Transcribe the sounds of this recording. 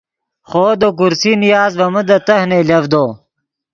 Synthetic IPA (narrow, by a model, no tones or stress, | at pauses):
χoːd̪ok̬uɾsinijaːzbɐməd̪ɐt̪ɐhnelɐvd̪oː